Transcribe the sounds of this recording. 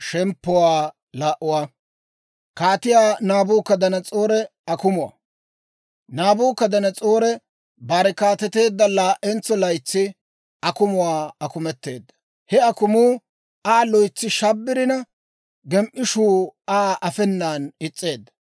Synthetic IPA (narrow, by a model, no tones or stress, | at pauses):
ʃɛmpːʊwaː | laːʔʊwaː | kaːt̪ɪjaːnaːbuːkːɐd̪ɐnɐt͡sʼoːɾɛ | ɐkʊmʊwa̰ | naːbuːkːɐd̪ɐnɐt͡sʼoːɾɛ | baɾɛkaːt̪ɛt̪e̞ːd̪ːɐlaːʔɛnt͡sːɔlɐjt͡sːɪ | ɐkʊmʊwaːɐkʊmɛt̪ːe̞ːd̪ːɐ̥ | hɛɐkʊmuː | aːlɔjt͡sːɪʃɐbːɪɾɪnɐ | ɡɛmʔɪʃuːaːʔɐfɛnːaːnɪt͡sʼːe̞ːd̪ːɐ̥